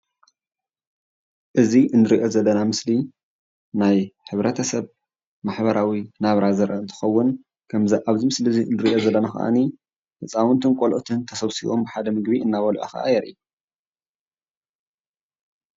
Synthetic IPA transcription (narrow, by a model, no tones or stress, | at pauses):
ʔɨziʔɨnːɨɾiʔo̞zɐlːɐnamɨsli | najħɨβɾɐt̪ʰɐsɐβ | maħbɐɾawinaβɾazɐɾʔɐɨnt̪ʰɨ̥xɐwːʊn | kʰɐmzɨʔaβzimɨslizinɨɾiʔo̞zɐlːɐnaxɐ̰ʔa̰ni | ʔɨt͡sʼawɔnt̪ʰɨnkʼolʔt̪ʰɨnt̪ʰɐsɐβsiʔo̞mbɨħad̪ɐmɨɡbiɨnːaβɐluʔa̰xɐ̰ʔa̰jɛɾʔi